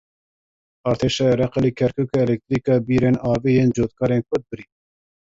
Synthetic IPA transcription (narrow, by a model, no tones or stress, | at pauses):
ɑːɾt̪ʰeːʃɑːjɑɾɛqɑlikʰɛɾkʰuːkɛɛlɛk̚t̪ɾiːkɑbiːɾeːnɑːviːjeːnd͡ʒoːt̪̚kʰɑːɾenkʰʊd̪̚bɨɾiː